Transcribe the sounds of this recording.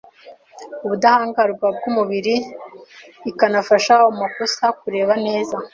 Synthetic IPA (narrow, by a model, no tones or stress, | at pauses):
uβudahaːŋɡaɾɡwab̚ɡuːmuβiɾiː | kanafaʃaumakosak̚uɾe̞ːβane̞ːza